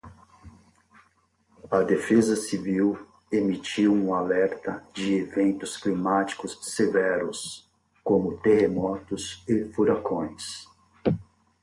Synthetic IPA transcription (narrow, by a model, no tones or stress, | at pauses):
ɐd̪efezɐsiviw | emit͡ʃiwũalɛɾt̪ɐd͡ʒɪevẽnt̪ʊsklimat͡ʃi̥kʊsːevɛɾʊs | kõmʊt̪ehemɔt̪ʊsɪfuɾakõj̃s